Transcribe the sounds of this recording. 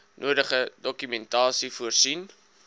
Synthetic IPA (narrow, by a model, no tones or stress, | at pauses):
nʔuədəχədɔkymɛntɑːsifuərsin